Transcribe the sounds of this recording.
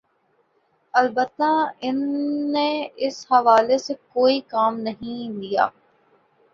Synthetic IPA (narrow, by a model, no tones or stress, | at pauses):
ɐlbət̪ːaɪnːeɪshɐʋaːlesekoːikaːmnɐɦĩlija̰ː